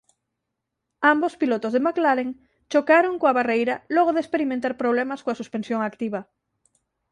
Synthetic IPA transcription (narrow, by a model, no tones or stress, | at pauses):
ambospilot̪ozðemaklaɾeŋ | t͡ʃokaɾoŋkoaβarejɾalɔɣoðespeɾimẽnt̪aɾpɾoβ̞lɛmaskoasuspẽnsjoŋakt̪iβ̞a